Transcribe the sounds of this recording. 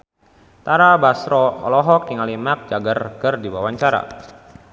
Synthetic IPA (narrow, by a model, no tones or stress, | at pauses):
t̪aɾabasɾɔɔ̰lɔɦɔk̚diŋalimak̚d͡ʒaɡarkərdiwawaɲt͡ʃaɾa̰